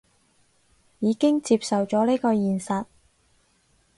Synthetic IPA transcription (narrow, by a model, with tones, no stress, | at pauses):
jiː˨˧kɪ˥ŋt͡siː˧p̚sɐ˨wt͡sɔː˨˥ne˥jkɔː˧jiː˨˩nsɐ˨t̚